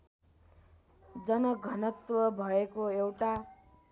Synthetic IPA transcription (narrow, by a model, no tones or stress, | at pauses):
d͡zʌnʌɡʱʌnʌt̪wʌbʱʌekoewʈa